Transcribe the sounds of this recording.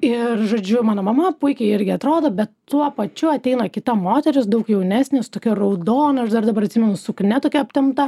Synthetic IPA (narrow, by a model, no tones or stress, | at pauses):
ɪrʒoːd͡ʒʲʊmɑːnoːmɐmɐpʊɪkʲɛɪɪɾʲɡʲɪɐt̪ɾoːd̪oːbʲɛt̪ː | uɔpɐt͡ʃʲʊɐt̪ʲɛɪnɐkʲɪt̪ɐmoːt̪ʲɛɾʲɪsd̪ɐʊkjɛʊnʲæːsʲnʲɪst̪oːkʲorɐʊd̪oːnɐʃd̪ɐɾd̪ɐbɐɾɐt̪ʲsʲimʲɛnʊsʊknʲɛt̪oːkʲɛɐpʲt̪ʲɪmt̪ɐ